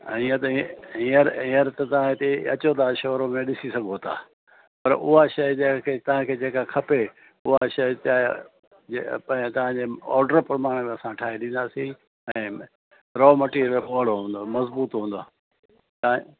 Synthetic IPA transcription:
iə̃t̪ɐɦiəɾɦiəɾt̪ɐt̪ɐʋ̤ãɪt̪eɐt͡ɕot̪aʃoːɾomẽɗɪsisɐɡʱot̪a̰ː | pɐɾʊ̰ɦaʃɐjd͡ʑɐ̃kʰet̪ɐʋ̤ãkʰeːd͡ʑeːkakʰɐpe | ʊɦaʃɐjt̪aː | epɐ̃ɪ̃t̪ɐʋ̤ãɲd͡ʑeɔ̰ːɾɖəɾpɾɐmaːɽ̃mẽɐsãʈʰaːɦeɗĩːn̆d̪aːsĩ | ɛ̃ː | ɾɔːmɐʈiɾoɦəɽoɦũːn̆d̪omɐzbuːt̪ɦũːnd̪oː | t̪ɐ̃

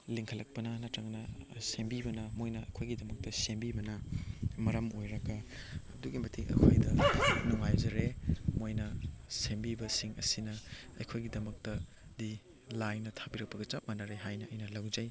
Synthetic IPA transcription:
liŋkʰɐlɐk̚pɐnɐnɐtɾɐŋnɐsembibɐnɐmojnɐɐ̰jkʰojɡidɐmɐk̚tɐsembibɐnɐmɐɾɐmojɾɐɡɐː | duɡimɐtʰiŋɐ̰kʰojdɐnuŋajzɐɾemojnɐsembibɐsiŋɐ̰sinɐɐ̰jkʰojɡidɐmɐk̚tɐ | di | lajnɐtʰabiɾɐk̚pɐɡɐt͡ʃap̚mɐnɐɾeɦajnɐɐjnɐlawzɐj

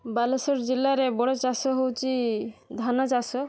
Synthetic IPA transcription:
balosoɾd͡ʑilːaɾebɔɽot͡ʃasoɦowt͡ɕid̪ʱanat͡ʃaso

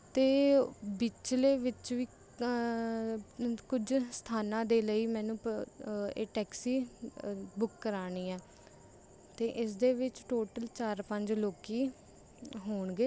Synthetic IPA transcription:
t̪eːbit͡ʃleːʋɪt͡ʃʋiː | kʊd͡ʒst̪ʰaːnãːd̪eːləiːmɛ̃ːnũː | ḛːʈɛːksiː | bʊkːəɾaːniːɛː | t̪eːʔɪsd̪eːʋɪt͡ʃʈoːʈəlt͡ʃaːɾpəɲd͡ʒloːkiː | ɦoːɳɡeː

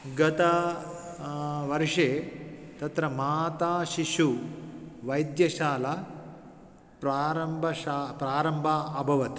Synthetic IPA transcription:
ɡɐt̪ɐ | ʋɐɾʂeːt̪ɐt̪ɾɐmaːt̪aːʃiʂu | ʋɐjd̪jɐʃaːlɐ | pɾaːɾɐmbʱɐʃaːpɾaːɾɐmbʱaːɐbʱɐʋɐt̪

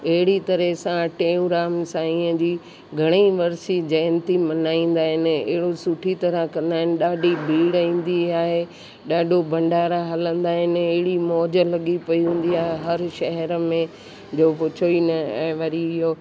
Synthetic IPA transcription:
ɐɦɪɽit̪ɐɾəɦsãʈẽːũɾaːmsãiːə̃d͡ʑiː | ɡʱɐɽ̃eʋɐɾsid͡ʑɐːnt̪imɐnaːĩːn̆d̪aːɦɪnɪ̆ɐ̰ɦɪɽosʊʈʰit̪ɐɾəɦkɐ̃nd̪aːɦɪnɪ̆ɗaːɖʱibʱiːɽĩːn̆d̪iaːɦe | ɗaːɖʱobɐ̃ɳɖaːɾaɦɐlə̃nd̪aːɦɪnɪɐɦɪɽimɔːd͡ʑə̆lɐɠipɐiũːn̆d̪iaːɦeɦɐɾʃɐɦɛɾəmẽ | d͡ʑoːpʊt͡ɕʰoinɐɛ̰̃ːʋɐɾiɪɦo

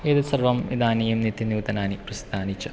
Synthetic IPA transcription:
eːðɐsɐrʋɐmḭd̪aːnijumnit̪ːinjuːt̪ɐnaːniprɐst̪aːnit͡ɕːɐ

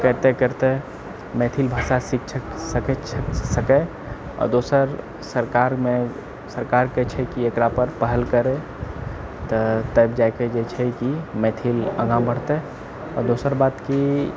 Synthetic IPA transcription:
kəɾt̪ekəɾt̪e | mɛt̪ʰilbʱaːsasikʰt͡ʃʰksəkt͡ʃʰsəke | ɔ̰ːɾd̪oːsəɾ | səɾkaɾmẽ | səɾkaːɾkɛt͡ʃʰɛkiekɾapəɾpəɦəlkəɾe | t̪ɔt̪əbd͡ʒaked͡ʒɛt͡ʃʰɛkimɛt̪ʰilə̰̃ɡãmbəɽ̤t̪e | ɔːɾd̪oːsəɾbaːt̪ki

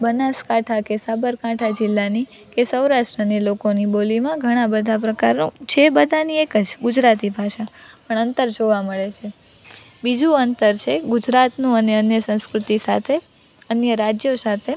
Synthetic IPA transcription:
bənaskaʈʰakesabəɾkaʈʰad͡ʒɪlːani | kesəwɾaʃʈɾənilokonibolimãɡʱəɽ̃ãbəd̪ʱapɾəkaɾnut͡ʃʰebəd̪ʱaniekəd͡ʒɡud͡ʒɾat̪ibʱaʃapəɳənt̪əɾd͡ʒoʋaməɭet͡ʃʰe | bid͡ʒũənt̪əɾt͡ʃʰeɡʊd͡ʒɾat̪nũəneənjəsə̃w̃skɾʊt̪isat̪ʰe | ənjəɾad͡ʒjosat̪ʰe

